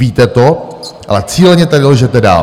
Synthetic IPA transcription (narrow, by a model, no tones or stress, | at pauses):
iːt̪ɛt̪o̞ʔa̰lɛt͡siːlɛɲɛt̪adɪlʒɛt̪ɛda̰ː